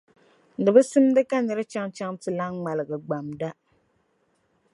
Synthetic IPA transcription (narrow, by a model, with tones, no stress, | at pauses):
dɨ˨bɨ˦sɨ˦mdɨ˦ka˦nɛ˨ɾɨ˦t͡ʃa˦ŋt͡ʃa˦ŋtɨ˦la˦ŋŋ͡ma˨lɨ˨ɡɨ˨ɡ͡ba˨mda˦